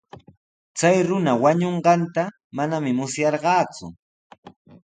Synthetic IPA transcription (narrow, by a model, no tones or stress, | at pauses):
t͡sajɾʊnawaɲoɴɢɑnt̪a | manamɪmʊsjɑɾɢɑːt͡sʊ̰